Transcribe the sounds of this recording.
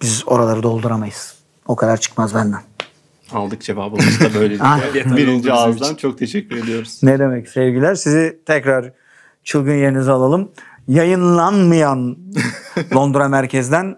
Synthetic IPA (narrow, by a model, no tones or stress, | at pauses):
b̥izo̞ɾalˠaɾɯd̪o̞lˠd̪uɾamajɯz̥ | o̞kʰad̪aɾt͡ʃʰɯ̥kmazbænd̪æn | alˠd̪ɯk̚d͡ʒevaːbɯaʃd̪abøjlʲed͡ʒabiɾind͡ʒiazd̪ant͡ʃʰok̚t̪ʰeʃɛcʲːyɾe̞d̪ijo̞ɾuz̥ned̪e̞mɛcsɛvɟilʲæɾsizit̪ʰɛcɾaɾ | t͡ʃʰɯlˠɡɯnje̞ɾinizalˠalˠɯm | jajɯnlˠanmɯjan | o̞nd̪uɾamæɾcʰɛzd̪æn